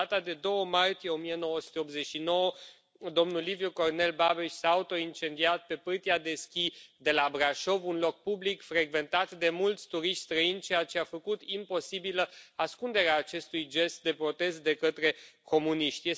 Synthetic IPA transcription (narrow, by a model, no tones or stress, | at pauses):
at̪ad̪e̞d̪o̞wəmart̪ijeo̞mije̞no̞wəsu̥t̪eopze̞ʃino̞wə | d̪o̞mnulivjuko̞rne̞lbabiʃsaːut̪o̞int͡ʃe̞nd̪iat̪̚pe̞pɨrt̪iad̪e̞skʲid̪e̞labɾaʃo̞vunlo̞k̚publikfɾeɡve̞nt̪at̪d̪e̞mult̪sʲt̪uɾiʃt̪ʲst̪ɾəint͡ʃejat͡ʃeafəkut̪impo̞sibiləaskund̪e̞ɾeaːt͡ʃe̞st̪ujd͡ʒe̞st̪̚d̪e̞pɾo̞t̪e̞st̪̚d̪e̞kət̪ɾe̞ko̞muniʃt̪ʲje